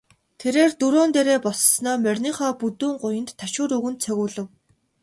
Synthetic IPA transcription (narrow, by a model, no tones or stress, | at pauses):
t̪ʰeɾeːrt̪uɾoːnt̪eɾeːpɔssnɔːmœrʲniːχɔːput̪uːɴɢʊjə̆nt̪ʰːaʃʊːɾɵɣɘ̆nt̪̚t͡sʰœɣʲʊːɮɘ̆w